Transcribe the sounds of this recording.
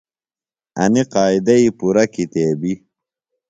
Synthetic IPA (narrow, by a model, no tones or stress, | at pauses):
ɐ̰niqaːid̪ɐipuɾɐkit̪eːbi